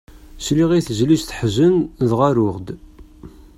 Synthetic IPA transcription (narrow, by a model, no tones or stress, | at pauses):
sliʁiθʒliʃθəħzənðʁaɾʊʁd̪